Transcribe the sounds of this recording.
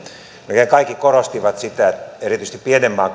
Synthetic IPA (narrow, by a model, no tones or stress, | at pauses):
mekeŋkɑikːikorost̪iʋɑt̪sit̪æet̪erit̪yist̪ipienemːɑː